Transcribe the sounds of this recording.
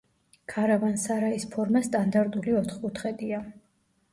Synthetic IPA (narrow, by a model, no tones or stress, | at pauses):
kʰaɾavansaɾaispʰɔɾmast̪ʼand̪aɾd̪ʼuliɔt̪χkʼut̪ʰχɛd̪ʼia